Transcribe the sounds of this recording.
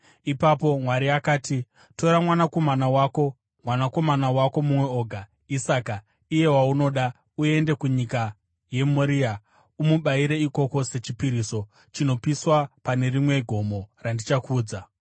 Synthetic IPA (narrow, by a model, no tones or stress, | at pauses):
ipapo̞mwaɾiakaːti | to̞ɾamwanako̞manawako̞ | mwanako̞manawako̞mumwe̞o̞ːɡʱa | isaːka | ije̞wauno̞ːɗa | ue̞nde̞kuɲika | je̞moɾia | umuɓaiɾe̞iko̞ko̞se̞t͡ʃipiɾiso̞ | t͡ʃino̞piswapane̞rimwe̞ɡʱo̞mo̞randit͡ʃakuːd͡za